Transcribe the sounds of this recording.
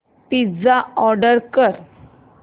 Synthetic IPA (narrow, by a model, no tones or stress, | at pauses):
pid͡zaɔɾɖəɾkəɾ